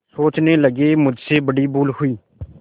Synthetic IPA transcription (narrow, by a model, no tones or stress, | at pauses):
soːt͡ʃneːləɡeːmʊd͡ʒʱseːbəɽiːbuːlhʊiː